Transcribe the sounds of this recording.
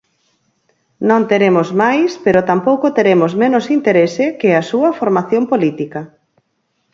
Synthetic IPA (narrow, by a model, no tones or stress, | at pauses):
nõnt̪eɾemʊsmajspeɾʊt̪ampowkot̪eɾemozmenʊsint̪eɾesɪkɪɐsuɐfoɾmaθjompolit̪ikɐ